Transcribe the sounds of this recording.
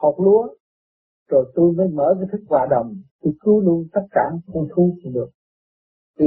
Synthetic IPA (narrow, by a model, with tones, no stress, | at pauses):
hɔ˨˩k͡p̚lu˧˦ə | zo˨˩jt̪u˧jməː˨˦jməː˧˩kaː˨˦jt̪ʰi˦˥k̚vwa̰ː˨˩ɗə˨˩wŋ͡mt̪u˧kɨ˨˦əlu˧ənt̪a˦˥t̚kaː˧˩nxə˧wŋ͡mt̪ʰu˨˦˧ɗɨ˨˩ək̚ | t̪i˧˨